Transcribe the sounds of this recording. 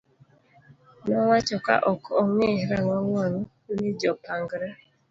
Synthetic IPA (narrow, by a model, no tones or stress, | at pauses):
nɔwat͡ʃɔka̰ʔɔkɔɔŋeɾaŋɔŋaŋɔnid͡ʒɔpaŋɡɾa